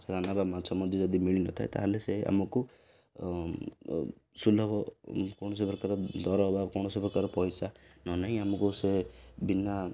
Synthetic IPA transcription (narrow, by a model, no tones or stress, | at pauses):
sed̪ʱanababmasɔmɔd̪ʱid͡ʒɔd̪imiɭinɔ̰t̪ʰaet̪a̰ɦelesea̰mɔku | sulɔbɔkɔɽ̃ɔs̬epɾɔkaɾɔd̪ɔɾɔbakɔwɽ̃ɔsepɾɔkaɾɔpɔjsanɔnaɦĩamɔkusebina